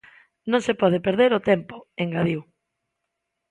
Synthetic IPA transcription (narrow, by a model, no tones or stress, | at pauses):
nõŋsepɔð̞epeɾðeɾot̪ɛmpo̥eŋɡaðiw